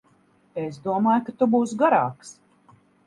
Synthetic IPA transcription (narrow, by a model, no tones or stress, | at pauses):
esd̪uɔmaːjukat̪ubuːsɡaɾaːks